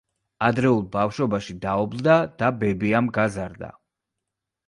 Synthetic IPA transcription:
ad̪ɾɛulˠbafʃɔbaʃid̪aɔblˠd̪ad̪̥abɛbiamɡazaɾd̪a̰

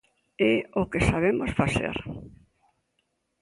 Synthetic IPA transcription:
ɛokɪsaβ̞emosfaθḛɾ

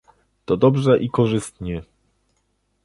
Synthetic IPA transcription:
t̪ɔd̪ɔbʐɛʔikɔʐɘst̪ɲɛ

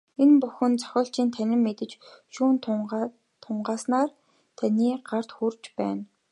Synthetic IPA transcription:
enpʊxɵ̆nt͡sœ̥xʲɔːɬt͡ɕiːnt̪ʰænʲɪ̆mːet̪ɘ̆t͡ɕʃuːn | t̪ʰʊɴɢaːsnaːr | t̪ʰanʲiːɢar̥t̪xurt͡ɕpæ̰ːn

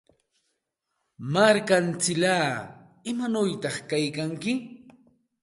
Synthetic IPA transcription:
maɾkant͡sɪlaː | ɪmanʊjt̪ɑχkajkaŋkɪ

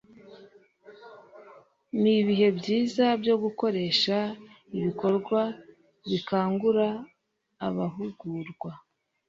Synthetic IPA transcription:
niβiɦe̞bɟiːzabjo̞ɡuko̞ɾe̞ːʃa | iβiko̞ɾɡwa | βikaːŋɡuɾaː | βaɦuɡuːɾɡwa

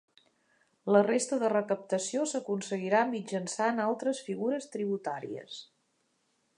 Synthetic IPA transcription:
lərest̪əðərəkəp̚t̪əsiosəkunsəɣiɾamid͡ʒənsaənalˠt̪ɾəsfiɣuɾəst̪ɾiβ̞ut̪aɾḭə̰s

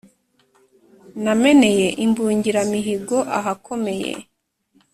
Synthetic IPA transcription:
name̞ne̞jeʔimbuːɲɟiɾamiɦiɡo̞ʔaɦakʰo̞me̞jḛ

